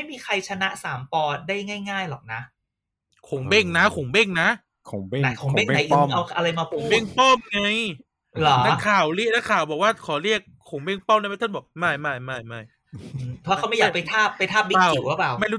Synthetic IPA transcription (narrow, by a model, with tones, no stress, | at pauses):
ma˥˩jmiː˧kʰa˧jt͡ɕʰa˧na˦˥ʔsaː˩˦mpɔː˧daː˥˩jŋaː˥˩jŋaː˥˩jlɔː˨˩k̚na˦˥ʔ | kʰo˩˦ŋbe˥˩ŋna˦˥kʰoː˨˩˦ŋbe˥˩ŋna˦˥ʔ | kʰo˨˩˦na˧˩kʰo˨˩˦be˥˩ŋ˧na˨˦ʔʔa˧wʔa˧ɾa˧jmaː˧pu˨˧be˥˩ŋpɔ˥˩mŋa˧j | lɔː˩˦na˦kʰaː˨˩wɾi˥˩k̚na˦˥kʰaː˨˩wbɔː˨˩k̚waː˥˩kʰɔː˨˩˦ɾi˥˩ək̚ʰːo˨˩˦ŋbe˥˩ŋpɔː˥˩mna˥˩m˧˥˩t̪ʰa˥˩bɔ˨˩k̚ma˥˩jma˥˩jma˥˩jma˥˩j | ɯː˧˩˧a˥˩˧a˦ma˥˩ja˨˧˩kpa˧jt̪ʰaː˥˩pːa˧jt̪ʰaː˥˩p̚li˦aː˧˩i˨˩wla˨˦˥paː˨˩wma˥˩jɾuː˦˥